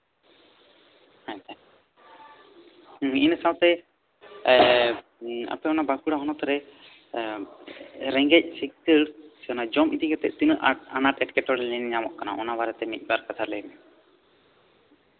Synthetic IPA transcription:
hãt̪ɛ | hinsawt̪ɛ | a̰pɛɔnabakuɽaɦɔnɔt̪ɾɛ | ɾɛŋɡɛc̚sik̚kəsiɔnad͡ʒɔmit̪iɡɛt̪ɛʔ̚t̪inʔa̰naʈɛʈkɛʈɔɾɛlɛnɲamɔʔkana̰ʔɔnaβaɾɛt̪ɛmit̪̚ˀbaɾkat̪ʰaɾlɛjmɛ

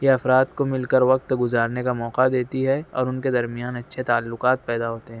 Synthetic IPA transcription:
jeɐfɾaːt̪komɪlkɐɾʋɐq̚t̪ɡʊzaːɾnekamɔːqad̪eːt̪iɦɛɔ̰ːɾʊnked̪ɐɾmijaːnɐtːʃʰet̪aːlːʊqaːt̪̚pɛːd̪aɦoːt̪eɦɛ̃ː

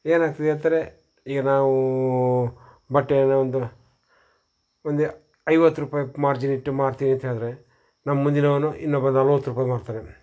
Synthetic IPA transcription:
eːnaːɡ̚t̪id̪eːt̪aːɾe | iːɡɐnaːʋu | bɐʈːenaond̪u | ond̪e | ɐjʋɐt̪ːuɾuːpaːjimaːɾd͡ʒiniʈːumaːɾt̪iːnent̪eːd̪ɐɾe | nɐmːɐmund̪inɐʋɐnuʔḭnːobɐnɐlʋɐt̪ːuɾuːpaːjɐmaːɾt̪aːɾe

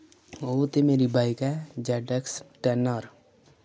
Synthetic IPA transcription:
oːt̪emeːɾiːbaːikɛːd͡ʒɛːɖəksʈɛːnəɾ

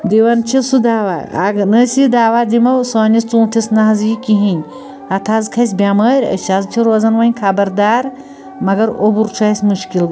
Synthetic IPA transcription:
d̪iwɐnt͡ʃʰisud̪aːwa̰ːa̰ɡnəsʲid̪aːʋaːd̪imɐwsoːnʲist͡sũːʈʲʰisnɐɦɐzjikʲiɦinʲ | ɐt̪ʰazkʰɐs̬ʲbʲaːmɐːɾʲɐ̰ʃazt͡ʃʰiɾoːzɐnʋɐnʲkʰabɐɾd̪aːɾ | mɐɡɐɾobuɾt͡ʃʰaːsʲmuʃkil

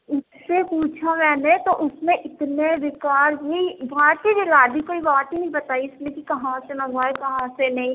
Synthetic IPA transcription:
ʊssepuːt͡ʃʰamɛːnet̪oʔʊsmẽʔɪt̪neɾɪkaːɾbibaːt̪ibiɾaːd̪ikoːibaːt̪inɐɦĩbɐt̪aːiʊsmẽkikɐɦãsenɐɦaekɐɦãsenɐɦĩ

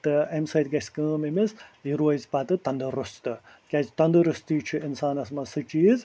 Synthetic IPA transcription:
t̪ɨemsɐjt̪ɡɐsʲkəːmimisjiɾoːizpat̪ɨt̪ɐnd̪ɨɾust̪ɨ | kʲat͡ʃʰt̪ɐnd̪ɨɾɨst̪iːt͡ʃʰuinsaːnɐsmɐsɨt͡ʃiːz

